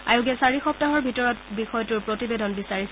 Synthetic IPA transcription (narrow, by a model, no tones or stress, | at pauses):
ajʊɡɛsaɹixɔp̚taɦɔɹbʱitɔɹɔtbixɔjɔtʊɹpɹotibedʱɔnbisaɹis